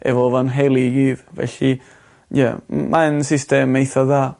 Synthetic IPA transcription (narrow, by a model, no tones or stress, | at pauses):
ɛ̰vɔvanɦelˠiɡiːðvɛ̰ɬi | jə̰mʔansɪstɛmejθɔðaː